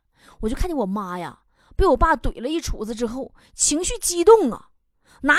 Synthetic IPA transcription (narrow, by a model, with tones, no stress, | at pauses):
wɔ˨˩t͡ɕo˥˧kʰa˥nt͡ɕjɛ˥wɔ˨˩ma˥ja̰˧ | pe˥ɪwɔ˨˩pa˥˩t̪we˨˩ɪlə˦i˥˩ʈ͡ʂʰu˨˧˥d͡zɹ̩˧ʈ͡ʂɻ̩˥xo˥˩ʊ | t͡ɕʰi˧˥ŋɕy˥˩t͡ɕi˥t̪ʊ˥˩ŋɐ̰˩ | na˧˥